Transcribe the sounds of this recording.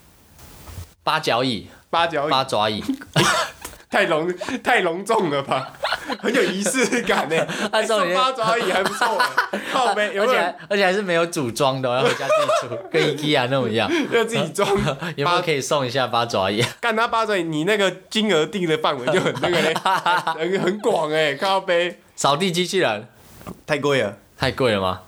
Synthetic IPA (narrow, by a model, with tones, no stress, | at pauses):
pa˥t͡ɕjɑ˧˦˥ʊi˨˩pa˥t͡ɕjɑ˧˦ʊ˨a˥t͡swa̰˧˥ḭ˨˩ | t̪ʰa˥˩ɪlʊ˧˦˥ŋt̪ʰa˥˩ɪlʊ˧˥ŋt͡sʊ˥˩ŋlə˩ba˨˩xə˧˦njo˨˩ʊi˧˥sɹ̩˥˧ka˨˩ne˧a˧so˥˩ŋ˨˧˥pa˥t͡swa˧˥i˨˩ha˧˥ɪpu˧˦t͡swɔ˥˩ə˨˩a˥˧pe˧˥˩jo˨˥˨a˧˦ə˧˥t͡ɕʰxa˧˦ʂɻ̩˥˩me˧˥ɪjo˧˥ʊt͡su˨˩ʈ͡ʂwɑ˦˥ŋd̪ə˨ɔ˨jja˧˥˩u˧˩kə˧˦i˨˩ki˦a˧na˥˩ʈ͡ʂŋi˧jɑ˥˨˧ja˥˧ʊt͡sɨ˥˨˩t͡ɕi˨˩t͡swɑ˦ŋje˦˥˨kʰə˦i˨˩sɔ˥˨ŋi˧˥ɕ̬ja˥˧˩pa˥t͡swa̰˧˥i˨˩˨ka˥˩nt̪ʰa˥pa˥t͡swa˧˦˥i˨˩ni˨˩na˥˩ɡə˨t͡ɕi˦nə˧˥t̪i˥˩ŋd̪ə˨fa˥˨nwe˧˥˦t͡ɕo˥˧ʊxə˨˩n˥˩ə˨˧˥ə˨˧˦nxə˨˦nkwɑ˨˩ŋe˨kʰa˥˦˨pe˦ɪ | sɑ˨˩ʊt̪i˥˨t͡ɕi˥t͡ɕʰi˥lə˨˦n | t̪ʰa˥˩ɪkwe˥˩ɪə˩t̪ʰa˥˧ɪkwe˥˩ɪlə˩ma̰˨˩